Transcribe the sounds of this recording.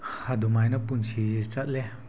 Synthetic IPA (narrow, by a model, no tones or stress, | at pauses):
hadumajnɐpunsʰizit͡ʃat̚le